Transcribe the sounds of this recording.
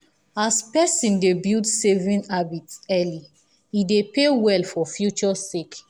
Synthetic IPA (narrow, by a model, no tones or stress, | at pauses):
aspɛsĩndebildsevĩnabitɛli | idepewɛlfɔfjut͡ʃɔsek